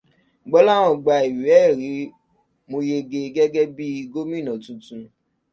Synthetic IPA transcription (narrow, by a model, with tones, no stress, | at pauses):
ɡ͡bɔ˦la˦˨w̃ɔ̃˧˨ɡ͡ba˨i˨ɛ˨˦˨ɾi˨˦ | mo˧je˧ɡe˧ɡɛ˦ɡɛ˦bi˦˧ɡo˦mĩ˦˨nã˨tũ˧tũ˧